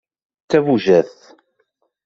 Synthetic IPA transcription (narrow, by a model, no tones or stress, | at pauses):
t͡s̪ːævuʒæθ